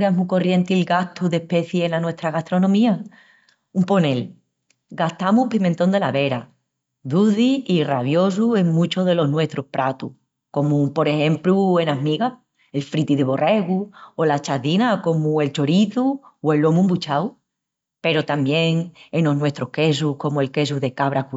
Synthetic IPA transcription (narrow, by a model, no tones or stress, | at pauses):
ɾamuko̞rje̞nt̪ilɡaht̪uðe̞hpe̞θjeenanwe̞ht̪ɾaɣaht̪ɾo̞nõmĩa | umpo̞ne̞l | ɡaht̪amuhpimẽnt̪o̞nd̪e̞laβe̞ɾa | ðuðiiraβjo̞s̬ue̞ŋmũt͡ʃo̞ðe̞lo̞ɦnwe̞ht̪ɾohpɾʔat̪u | ko̞mupo̞ɾe̞he̞mplue̞naɦmiɣa | e̞lfɾit̪iðeβo̞re̞ɣuolat͡ʃaðinako̞mue̞lt͡ʃo̞ɾiθuwe̞lːo̞mũmbut͡ʃaw | pe̞ɾo̞t̪ambje̞ŋeno̞ɦnwe̞st̪ɾohke̞s̬uko̞mue̞lke̞s̬uðe̞kaβɾaku